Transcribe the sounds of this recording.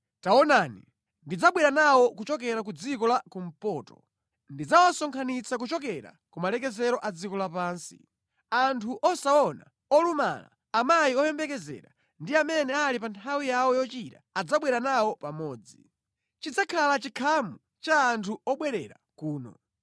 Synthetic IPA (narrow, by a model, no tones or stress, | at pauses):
taɔnaːnḭ | ndid͡zaɓwɛɾanawɔkut͡ʃɔk̬ɛɾak̬ud͡zikɔlakum̩pɔːtɔ̥̰ | ndid͡zawasɔŋkʰanit͡sak̬ut͡ʃɔkɛɾa̰ | kumalɛkɛzɛɾɔʔad͡zikɔlapaːnsi̥̰ | antʰuʔɔsaɔna̰ | ɔluma̰la̰ːmajiɔjɛmbɛkɛzɛ̰ɾa | ndiamɛnɛalipantʰawijawɔjɔt͡ʃitaad͡zaɓwɛɾanawɔpamɔːd͡zi | t͡ʃid͡zakʰalat͡ʃikʰamu | t͡ʃaːntʰuɔɓwɛɾɛɾa | kuːnɔ̰